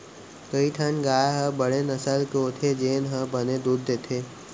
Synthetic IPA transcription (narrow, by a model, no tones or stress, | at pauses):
kəiʈʰənɡaːjɦəbəɽenɐsəlkeot̪ʰed͡ʒeːnɦəbəned̪uːd̪ːet̪ʰeː